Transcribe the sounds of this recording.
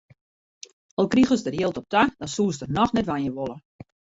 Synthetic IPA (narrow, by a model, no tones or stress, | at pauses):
ɔlˠkrixəsdərjiəlˠtɔp̚tadɔnsuːsdərnɔxnɛtʋanjəʋolə